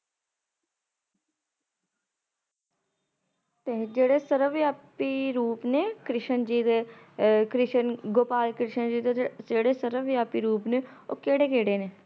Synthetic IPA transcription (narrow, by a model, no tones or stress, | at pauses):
t̪eːd͡ʒeːɽeːsəɾəʋjaːpiːɾuːpneːkɾɪʃənd͡ʒiːd̪e | kɾɪʃənɡoːpaːlkɾɪʃənd͡ʒiːd̪eeːɽeːsəɾəʋjaːpiːɾuːpneːo̰ːkeːɽeːkeːɽeːneː